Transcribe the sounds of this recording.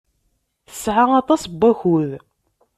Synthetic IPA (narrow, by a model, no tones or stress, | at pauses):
θə̥sʕaɑt̪ˤɑsbːæçuð